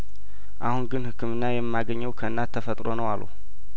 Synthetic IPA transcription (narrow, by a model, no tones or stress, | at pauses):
ʔahunɡɨnhɨkʰːɨmɨnːajɛmːaɡəɲːəwkʰəɨnːat̪ʰːəfət̪ʼɾo̞nəwalːṵ